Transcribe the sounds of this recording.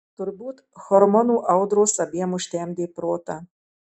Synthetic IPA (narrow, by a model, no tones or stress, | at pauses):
t̪orbut̪xɔɾmonuʔawd̪ɾoːsɐbʲemuʃt̪ʲɛmd̪epɾoːt̪a